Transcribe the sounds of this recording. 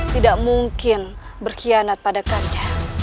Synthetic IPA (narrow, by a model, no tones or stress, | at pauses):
t̪idaʔmuŋkɪnbərkianat̪̚padakanda